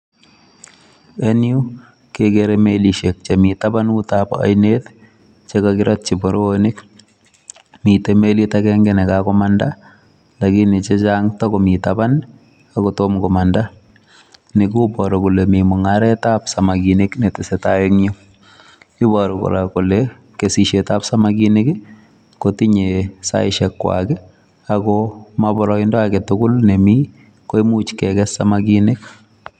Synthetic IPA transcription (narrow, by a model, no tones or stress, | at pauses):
enju | kekeɾemeliʃek̚t͡ʃemitabanutapa̰jnet | t͡ʃekakɪɾat̚t͡ʃibɔɾoonɪk | mitemelitakɛŋɡɛnɛkakɔmanda | lakinɪt͡ʃet͡ʃaŋtɔkɔmitaban | akɔtomkɔmanda | nikubɔɾokulemimʊŋaɾɛtapsamakineknetɪsɛtajeŋɲo | ibɔɾɔko̰ɾakole | kesiʃetapsamakinekɪ | kotiɲesa̰ɪʃɛkːwa̰kɛ | akɔmabɔɾɔindɔakɛtʊɡʊlnemi | koimut͡ʃkɛkɛsamakinɪk